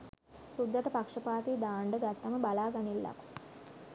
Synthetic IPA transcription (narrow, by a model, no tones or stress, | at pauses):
sud̪ːɐt̪əpakʂəpaːt̪iːd̪aːɳɖəɡat̪ːɐməbalaːɡanilːa̰ku̥